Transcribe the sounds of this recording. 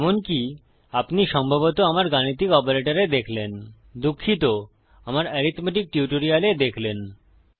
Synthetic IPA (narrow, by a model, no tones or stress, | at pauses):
ɛmonki | apniʃɔmbʱabot̪oamaɾɡanit̪̬ikɔpoɾeʈaɾed̪ekʰlen | d̪ukʰːit̪o | amaɾɛɾit̪meʈik̚ʈjuʈoɾialed̪ekʰlen